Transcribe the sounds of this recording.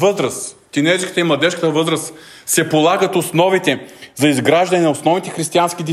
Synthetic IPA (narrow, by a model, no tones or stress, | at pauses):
vɤzɾəst̪inɛɾskə̥t̪əimlˠɐd̪ɛʃkət̪əvɤzɾəs | sɛpolˠaɡət̪osnɔvit̪ɛzɐizɡɾaʒd̪ɐnɛnɐosnɔvnit̪ɛxɾist̪ianskʲid̪i